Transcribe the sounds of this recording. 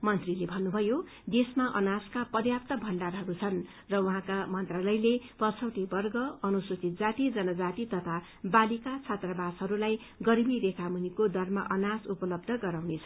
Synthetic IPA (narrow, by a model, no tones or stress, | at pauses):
mʌnt̪rilebʱʌnːubʱʌjo | d̪esmaʔʌnaskapʌdjap̚t̪ʌbʱʌɳɖarɦʌɾut͡sʰʌn | rʌuɦãkamʌnt̪ralʌjlepʌt͡sʰʌwʈ̪ibʌrɡʌʌnusut͡sit̪̚d͡zat̪id͡zʌnʌd͡zat̪it̪ʌt̪ʰa | balikat͡sʰat̪rʌbasɦʌɾulaj | ɡʌɾibiɾekʰamunikod̪ʌrmaʔʌnasupʌlʌb̚d̪ʱʌɡʌɾawnet͡sʰʌ